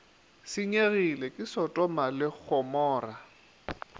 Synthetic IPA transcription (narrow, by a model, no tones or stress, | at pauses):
sɪɲeɣilɛkʼɪsɔtʼɔmalɪk͡xʰɔmɔːra